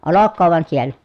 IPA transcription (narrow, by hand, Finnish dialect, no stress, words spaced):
olokːoːʋ ʋŏɑn sielˑæ